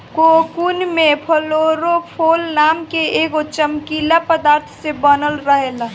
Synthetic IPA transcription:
kokunmẽpʰəloɾopʰoːlnaːmkeeɡot͡ʃəmkilapəd̪aːɾt̪ʰsebənəlɾəɦela

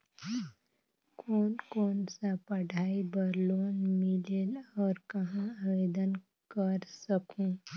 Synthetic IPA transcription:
koːnkoːnsapɐɽʱaːibəɾloːnmɪlelɔːɾkɐɦãaʋeːd̪ən | kəɾsəkũː

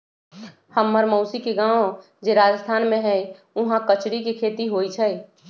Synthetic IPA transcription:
həmːəɾmoʊsikeɡãːõ | d͡ʒeɾaːd͡ʒəst̪ʰaːnmẽɦɛ | ʊɦãkət͡ʃɾikekʰeːt̪iɦoːit͡ʃʰɛː

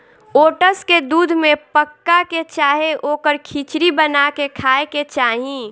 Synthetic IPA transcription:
oːʈəsked̪uːd̪ʱmẽpəkːaket͡ʃaːɦeʔoːkəɾkʰiːt͡ʃɾibənakekʰaːeket͡ʃaːɦĩ

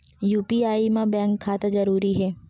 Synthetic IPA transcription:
juːpiaːimãbɛ̃ːŋkʰːaːt̪ad͡ʒɐɾuːɾiɦɛː

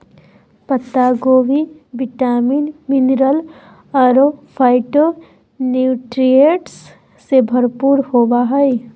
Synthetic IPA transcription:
pət̪ːaɡoːʋibɪʈaːmiːnmɪnɾəl | əɾopʰaːɪʈo | nuʈɾijeʈsː | ebʱəɾpuɾhoːʋaɦɛj

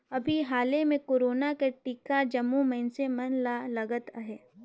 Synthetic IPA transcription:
ɐbʱiɦaːlemẽkoːɾoːnakeʈikad͡ʒɐmːumɐɦɪnsemɐnlalɐɡət̪əɦɛː

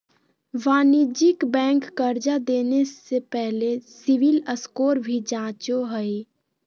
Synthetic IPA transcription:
ʋaːnid͡ʒɪkbɛ̃ːŋkːəɾd͡ʒad̪eːnesepɛɦlesɪʋɪləskoːɾbʱid͡ʒãːt͡ʃoɦəi

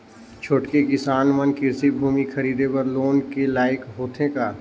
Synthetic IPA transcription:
t͡ʃʰoːʈkekɪsaːnmənkɪɾsibʱuːmixʰɐɾiːd̪epɐɾloːnkelaːjɪkɦoːt̪ʰɦẽkaː

